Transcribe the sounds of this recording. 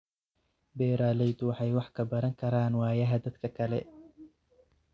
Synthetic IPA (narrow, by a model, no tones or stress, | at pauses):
bɛːɾaːlɛjd̪ʊwɑħɑjwɑħkʰɐbɐɾɐŋkʰɐɾaːnwɑːjɐɦɐd̪ɐd̪kʰɐkʰɐlɛ̰